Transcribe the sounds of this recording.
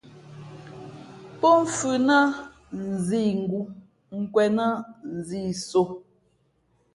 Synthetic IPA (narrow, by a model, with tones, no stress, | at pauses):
pɔ˦m̩˦˨fʉ˨nə˦ | n̩˨zi˦˨ŋ̩˨ɡu˦ | ŋ̩˨kwɛ˨nə˦n̩˨ziː˦˨so˨